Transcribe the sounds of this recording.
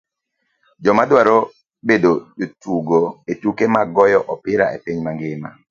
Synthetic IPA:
d͡ʒɔmadwaɾo | bedod͡ʒotuɡoetukemaɡɔjɔʔɔpɪɾa̰epiɲmaŋɡɪma̰

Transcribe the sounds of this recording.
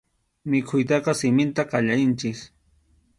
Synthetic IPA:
mɪkʰʊjt̪̬ɑqɑsɪmɪnt̪aqɑʎaɾɪnt͡ʃɪs

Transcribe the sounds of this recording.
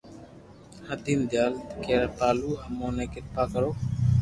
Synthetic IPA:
həd̪iːmd̪jaːlt̪keːɾpaːluːɦəmõːnẽːkɪt̪̚paːkəɾoː

